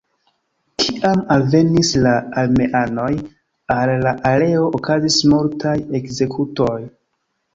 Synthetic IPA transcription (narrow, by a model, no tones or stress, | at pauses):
kʰiʔamalve̞nislaalme̞ʔano̞j | alːaʔale̞o̞ʔokazismuɾtʰaje̞kze̞kʰuto̞j